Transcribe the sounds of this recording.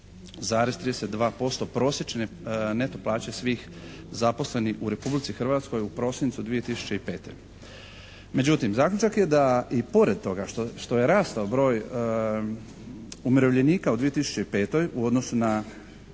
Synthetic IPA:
zaːɾezt̪ɾid̪eset̪̚d̪ʋaːpo̞st̪o̞pɾo̞ːsjet͡ʃenene̞t̪o̞plˠaːt͡ɕesʋiːx | zapo̞sle̞niuɾe̞publit̪sixr̩ʋaːt̪sko̞jupɾo̞ːsint̪sud̪ʋije̞t̪isu̥t͡ɕe̞ipe̞̰ːt̪o̞̰j | me̞d͡ʑut̪imzaːklʲʎut͡ʃakje̞d̪aipo̞ɾe̞d̪̚t̪o̞ɡaʃt̪oʃt̪o̞jeɾaːst̪aobɾo̞ːj | umiɾo̞ʋʎe̞niːkaud̪ʋije̞t̪isu̥t͡ɕe̞ipe̞ːt̪o̞juo̞d̪no̞suna

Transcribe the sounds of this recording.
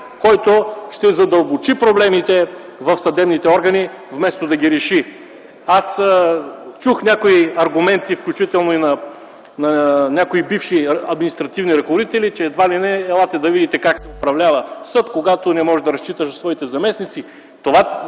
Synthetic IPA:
kɔjt̪oʃt̪ɛzɐd̪ɐlˠbot͡ʃipɾoblɛmit̪ɛ | vɐfsɐd̪ɛbnit̪ɛɔɾɡɐni | vmɛst̪od̪ɐɡʲiɾɛʃi | as | t͡ʃuxnʲakoiɐɾɡʊmɛnt̪ifklʲut͡ʃit̪ɛlˠnoinɐ | nɐnʲakoibifʃiɐd̪minist̪ɾɐt̪ivniɾɐkovod̪it̪ɛlit͡ʃɛːd̪valinɛːlˠat̪ɛd̪ɐvid̪it̪ɛkaksɛʊpɾɐvlʲavəsɤt̪koɡat̪onɛmɔʒɛd̪ɐɾɐst͡ʃit̪əʃsvɔit̪ɛzɐmɛsnit̪si | t̪ova

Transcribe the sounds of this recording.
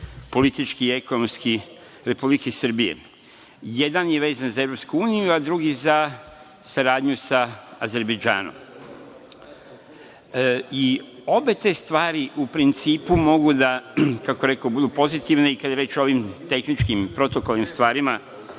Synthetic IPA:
po̞lit̪it͡ʃkiiekonomski | ɾe̞publikeisr̩bijḛ | je̞d̪anje̞ʋe̞ːzanzaeʋɾo̞pskuuːnijuad̪ɾuɡiza | saɾaːd̪ɲusaaze̞ɾbe̞d͡ʒa̰ːno̰m | io̞be̞t̪e̞st̪ʋaːɾiʔupɾint̪siːpumo̞ɡud̪akakojeɾe̞kobud̪upo̞zit̪iʋne̞ikad̪jeɾjeːt͡ʃoo̞ʋimt̪e̞xnit͡ʃkimpɾo̞t̪o̞kolnimst̪ʋaːɾima

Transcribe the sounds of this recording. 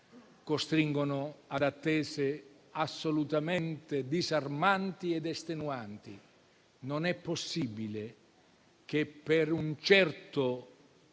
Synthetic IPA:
kost̪ɾiŋɡonʊad̪at̪ːɛːze | asːolut̪ament̪ed̪izarmant̪iɛd̪ɛst̪enuant̪i | nonɛpːosːibile | k̟epːeɾunt͡ʃɛrt̪ʊ

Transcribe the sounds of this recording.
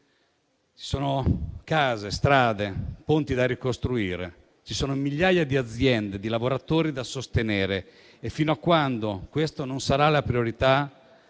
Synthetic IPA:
t͡ʃi̥soːnokaːzest̪ɾaːd̪epont̪id̪arikost̪ɾuiːɾḛ | t͡ʃisoːnomiʎːaːjad̪iad̪zːjɛnd̪ed̪ilavoɾat̪oːɾid̪asost̪eneːɾeː | fːiːnoakːwand̪okwest̪ononsaɾalapɾioɾit̪a

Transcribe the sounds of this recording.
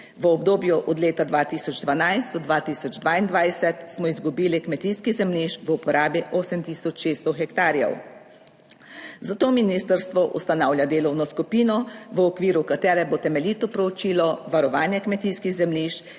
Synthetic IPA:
ʋəɔbd̪oːbjuʔɔd̪leːt̪ad̪ʋaːt̪iːsɔd͡ʒd̪ʋanajst̪d̪ɔd̪ʋaːt̪iːsɔd͡ʒd̪ʋaːind̪ʋajsɛt̪smɔizɡubiːlikmɛt̪iːskizɛmliːʃʋupɔɾʔaːbiʔoːsɛmt̪iːsɔt͡ʃʃest̪ɔxɛkt̪aːɾjɛ̰w | zat̪oːminist̪əɾst̪ʋɔʔṵst̪anaːwlʲjad̪eːlɔwnɔskupiːnɔʋəːkʋiːɾukat̪ɛːɾɛbot̪ɛmɛliːt̪ɔpɾɔt͡ʃiːlɔʋaɾɔʋaːnjɛkmɛt̪iːskiɣzɛmliːʃ

